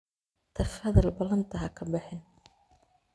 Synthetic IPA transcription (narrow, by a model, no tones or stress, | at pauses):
t̪ʰɐfɐðɐlbɐlɐnt̪ʰɐɦɐkʰɐbɪħɪn